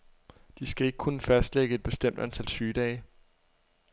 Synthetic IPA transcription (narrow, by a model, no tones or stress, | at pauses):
d̥isɡ̥æe̝ɡ̥əkʰunəfæsd̥leɡ̥əe̝d̥̚b̥e̝sd̥em̰d̥ænt͡sʰæl̰syːd̥ɛɪ